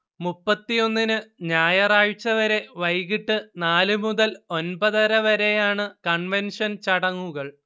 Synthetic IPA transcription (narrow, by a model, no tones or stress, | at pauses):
mupːɐt̪ːijo̞nːinɨɲaːjɐraːɻt͡ɕːɐʋɐɾe̞ʋɐjɣiʈːɨnaːlɨmuðɐlo̞nbɐðɐɾɐʋɐɾe̞jaːɳɨkɐɳʋenʂɐnt͡ɕɐɽɐŋːuɣɐɭ